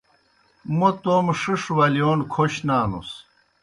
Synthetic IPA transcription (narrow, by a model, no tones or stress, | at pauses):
mot̪oːmʂiʂwɐlijoːnkʰoɕnaːnṵs